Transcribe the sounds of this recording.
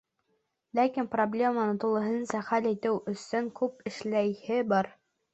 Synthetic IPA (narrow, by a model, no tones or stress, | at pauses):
lækinproblʲe̞mənɤt̪ulˠɤ̆ɦɤ̆nnsɑχælijt̪ɘwʔɵ̆sɵŋkʉpɘ̆ʃlæjhɘbɑɾ